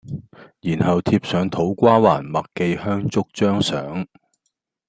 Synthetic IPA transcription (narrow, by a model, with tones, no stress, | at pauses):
jiː˨˩nhɐ˨wt̪ʰi˧p̚sœː˨˧ŋt̪ʰo˨˥wkʷaː˥wa̰ː˨˩nmɐ˨kke˧jhœː˥ŋt͡sʊ˥k̚t͡ʃœː˥ŋsœ̰ː˨˥ŋ